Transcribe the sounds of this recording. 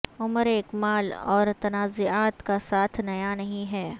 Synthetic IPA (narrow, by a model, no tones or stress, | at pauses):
ʊməɾeːkmaːlɔːɾt̪ɐnaːzʊaːt̪kasaːt̪ʰnɐjanɐɦĩɦɛː